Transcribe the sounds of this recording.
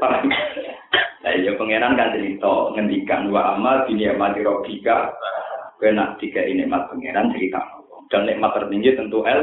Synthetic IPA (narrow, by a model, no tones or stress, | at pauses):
paɛ | a̰jɔpəŋeɾankant͡ʃəɾit̪ɔŋəndika̰nuwaʔamad̪̥i̤niaʔmad̪iɾɔɡ̥ikaʔbɛnaʔd̪̥ikɛʔinɪʔmat̪̚pəŋeɾant͡ʃəɾit̪a̰ʔnɔwɔŋd̥̪ɔnɪʔmat̪ːərt̪iŋɡit̪ənt̪uʔɛl